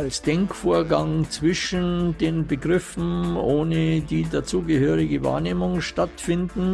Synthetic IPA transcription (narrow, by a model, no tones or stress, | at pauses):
alsd̥ɛŋkfoːɐɡaŋt͡sv̥ɪʃn̩deːnbəɡʁɪfn̩ʔoːnədiːdat͡suːɡəhøːʁɪɡəva̰ːɐneːmʊŋʃtatfɪndn̩